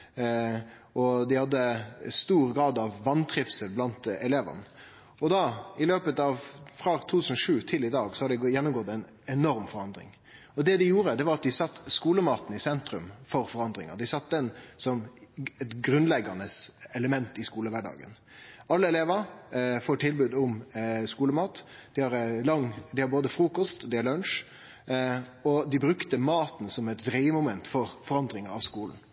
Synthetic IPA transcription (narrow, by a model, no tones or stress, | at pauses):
ʔɔd̪ɪhɑd̪ːəst̪uːɾɡɾɑːd̪ɑʋːɑnt̪ʰɾɪfsəlblɑnt̪ɛleːʋɑ̰n | ɔd̪ɑɪløːpət̪ɑʋfɾɑt̪ʰuːt̪ʰʉsn̩ɔʂʉːt̪ʰɪlɪd̪ɑːɡsɔhɑd̪d̪ɪjɛnːʊmɡɔt̪ːɛɪn | ɛnɔɾmfɔɾɑnd̪ɾɪ̰ŋ | ɔd̪ɛd̪ɪjuːɾəd̪ɛʋɑɾɑt̪̚d̪ɪsɑt̪ːskuːləmɑːt̪n̩ɪsɛnt̪ɾʉmfɔɾfɔɾɑnd̪ɾɪ̰ŋə̰ʁd̪ɪsɑt̪̚ːd̪ɛnsɔmɛt̪ɡɾʉnlɛɡɑnəsɛləmɛnt̪ɪskuːləʋæɖɑ̰ːɡə̰n | ɑlːəɛleːʋəɾfoːʈʰɪlbʉːd̪ʊmskuːləmɑːt̪ | d̪̥ɪhɑɾlɑŋd̪ɪhɑɾboːd̪əfɾuːkɔst̪d̪ɪhɑɭœnʂ | ɔd̪ɪbɾʉkt̪əmɑːt̪nsɔmɛt̪d̪ɾɛɪəmʊmɛnt̪fɔɾfɔɾɑnd̪ɾɪŋəɾɑʋskuːln̩